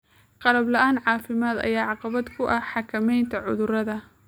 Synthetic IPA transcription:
qɑlɐblɐʔaːnʕɑːfɪmaːd̪ɐ̰jaːʕɑqɑβɐd̪kʰʊʔɐħɑkʰɐmɛjnt̪ʰɐʕʊðʊɾɐðɐ

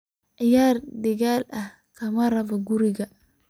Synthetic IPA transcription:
ʔɪjaːrd̪ɐɣaːlɐh | kʰɐmɐrɐβɔɡʊɾɪɣɐ

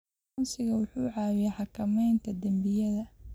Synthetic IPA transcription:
nsɪɣɐwʊħuːʕɑːwɪjɛħɑkʰɐmɛjnt̪ʰɐd̪ɐmbɪjɐðɐ

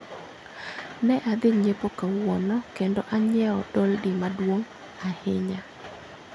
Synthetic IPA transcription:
nɛʔad̪ɪɲepokawwɔnɔkendɔʔaɲɛɔdɔldɪmadwoŋ | ahɪɲa

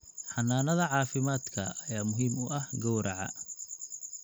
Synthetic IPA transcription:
ħɑnaːnɐðɐʕɑːfɪmaːd̪kʰɐ̰ɐjaːmʊɦiːmʊʔɐhɡɔwɾʔɐʕɑ̰

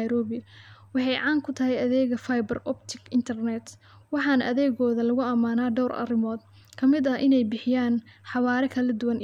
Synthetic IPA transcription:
ɾɔːβɪwɑħɑjʕɑːŋkʰʊt̪ʰɐɦɛjɐðɛːɣɐfajbɐrɔbt̪ʰɪɡɪnt̪ʰɛrnɛt̪ | wɑħɑnɐʔɐðɛːɣɔːðɐlɐɣʊɐmaːnaːɖɔwrɐ̰rɪmɔːd̪ | kʰɐmɪd̪ɐʔɪnɛjbɪħɪjaːnħɑβaːɾɛkʰɐlɐd̪ʊwɐn

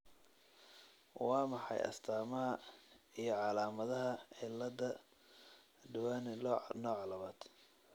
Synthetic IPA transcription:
wɑːmɑħɑ̰jʔɐ̰st̪ʰaːmɐɦɐijɞʕɑlaːmɐðɐɦɐʕɪlːɐd̪ɐ | d̪ʊwaːnɪnɔːʕlɐβaːd̪̥

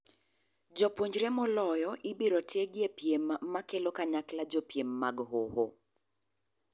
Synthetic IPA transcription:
d͡ʒɔpwoɲd͡ʒɾemɔlɔjɔʔibiɾɔtʰeɡɪepjemːakelokaɲaklad͡ʒopjemːaɡhoho

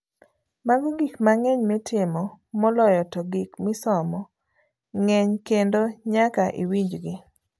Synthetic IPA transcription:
maɡʊɡikmaŋɛɲmetʰɪmɔmɔlɔjɔtɔɡikmɪsɔmɔ | ŋɛɲkendoɲakaʔḭwiɲd͡ʒɡɪ

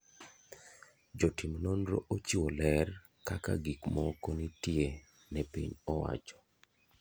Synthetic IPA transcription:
d͡ʒɔtimnonɾo̰ʔot͡ʃiwolɛr | kaka̰ɡikmɔkonitje | nɛpḭɲɔwa̰t͡ʃɔ̥

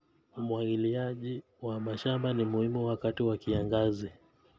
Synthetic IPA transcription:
umwaɡiliaʄi | wamaʃambanimuhimuwakatiwakiaŋɡazi

